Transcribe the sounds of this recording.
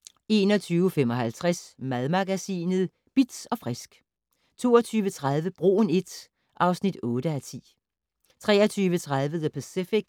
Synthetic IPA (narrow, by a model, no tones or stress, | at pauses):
e̝ːnɒ̽t͡sʰyːʊfemɒ̽ɦælt͡sʰʁasmæðˠmɑɡ̥æsḭːnð̩ˠ | b̥id̥ɒ̽fʁɛsɡ̥ | t͡sʰo̝̰ːɐt͡sʰyːʋət͡sʰʁað̞ˠʋəb̥ʁo̝̰ːne̝d̥ | ʔɑ̈ʊsnid̥ɔ̽ːd̥əæt͡sʰḭː | t͡sʰʁɛ̰ːɐt͡sʰyːʋət͡sʰʁɑðˠʋəðˠəpʰæsifiɡ̥